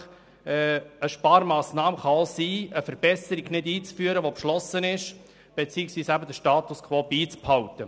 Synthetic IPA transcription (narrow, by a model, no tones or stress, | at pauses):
əʃpɑːɾmɑːsnɑːmχɑosiːəfəɾbɛsəɾiɡnɪdiːt͡sfyːəɾəʋopʃlɔsənɪʃ | b̥et͡siːɪksʋiːsæbəd̪əʃtɑːt̪uskʰvoːbiːt͡sphɑwtə